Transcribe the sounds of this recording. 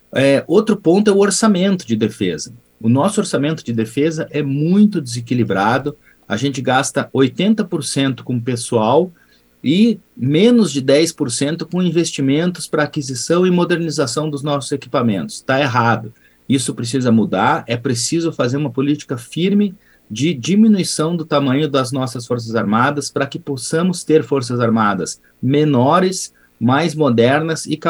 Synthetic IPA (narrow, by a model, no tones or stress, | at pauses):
ɛʔowt̪ɾʊpõnt̪ʊɛʊoɾsamẽnt̪ʊd͡ʒɪd̪efezɐ | ʊnɔsʊoɾsamẽnt̪ʊd͡ʒɪd̪efezɐʔɛmũj̃t̪ʊd͡ʒ̪ɪzekilibɾad̪ʊ | a̰ʒẽnt͡ʃɪɡast̪ɐojt̪ẽnt̪ɐpoɾsẽnt̪ʊ̥kõpesuaw | ɪmẽnʊzd͡ʒɪd̪ɛjspoɾsẽnt̪ʊkõĩvest͡ʃimẽnt̪ʊspɾɐːkizisɐ̃w̃ɪmod̪eɾnizasɐ̃w̃d̪ʊznɔsʊzeki̥pamẽnt̪ʊ̥st̪aeɦad̪ʊ | isʊpɾes̬izɐmud̪aɾɛpɾesizʊfazeɾũmɐpolit͡ʃi̥kɐfiɾmɪ | d͡ʒɪd͡ʒiminuisɐ̃w̃d̪ʊt̪amɐ̃ɲʊd̪ɐznɔsɐsfoɾs̬ɐzaɾmad̪ɐspɾɐkɪposɐ̃mʊst̪eɾfoɾsɐzaɾmad̪ɐs | menɔɾɪs | majzmod̪ɛɾnɐzɪk